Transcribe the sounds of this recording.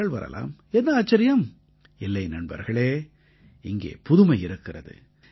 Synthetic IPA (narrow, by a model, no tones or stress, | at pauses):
ɐɭʋɐ̰ɾɐ̰la̰ːmɛnd̪ɐaːt͡ʃːɐɾɪjɐm | ɪlːɐɪnɐɳbɐ̰ɾɣɐɭeː | ɪŋɡḛːpʊðʊmɐɪɪɾɯkːɪrɐðɯ̰